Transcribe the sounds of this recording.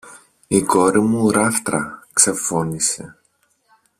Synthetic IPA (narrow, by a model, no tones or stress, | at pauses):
iko̞ɾimuɾɐft̪ɾɐ̰kse̞fo̞nise̞